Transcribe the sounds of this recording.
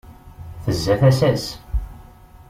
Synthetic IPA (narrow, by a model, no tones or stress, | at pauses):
θəzːæθæsæs